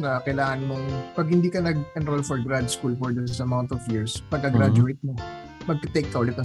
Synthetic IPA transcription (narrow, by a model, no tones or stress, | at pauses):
nɐkɐjlaːŋɐnmoŋpɐɡ̚hɪnd̪iːkɐnɐɡʔɛnɾolfɔɹɡɾad̪skuːlpɔɹd̪ɛsɪsɐmawnt̪ɔfjiɹspɐɡɐɡɾad͡ʒʊejt̪̚mo | mɐɡ̚kɐt̪ejk̪̚ːɐolɪt̪ɐ̃